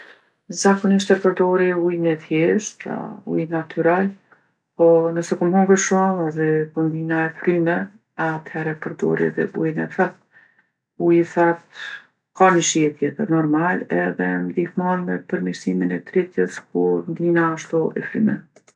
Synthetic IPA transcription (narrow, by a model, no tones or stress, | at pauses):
zakɔniʃt̪ɛpəɾd̪ɔɾiujnɛtjɛʃt̪ɾa̰ṵjnat̪ʰyɾal | pɔnəsɛkumɦɔŋɡəʃumɛðɛkɔnd̪inaɛfɾymɛ | at̪hɛɾɛpəɾd̪ɔ̰ɾḭðɛbujnɛθat̪̚ | ujiθat̪ | kanəʃiɛt̪jɛt̪əɾnɔɾmalɛðɛnd̪ihmɔnɛpəɾmiɾsiminɛt̪ɾit̪jəsk̚uɾnd̪inaːʃt̪uʔɛ̰fɾy̰mɛ̰